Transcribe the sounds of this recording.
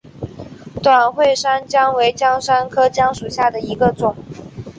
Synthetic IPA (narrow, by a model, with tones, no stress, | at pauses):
t̪wa˨˩nxwe˥˩ɪʂa˥nt͡ɕjɑ˥ŋwe˧˥ɪt͡ɕjɑ˥ŋʂa˥nkʰɤ˥t͡ɕjɑ˥ŋʂu˨˩ɕja˥˩d̪ə˩i˧˥ɡə˧t͡sʊ˨˩˦ŋ